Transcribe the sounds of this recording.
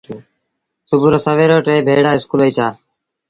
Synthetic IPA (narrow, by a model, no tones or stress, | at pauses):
sʊbʱʊɾoːsəʋeːɾoːʈeːbʱeːɽaːɪskuːləiːt̪ʰaː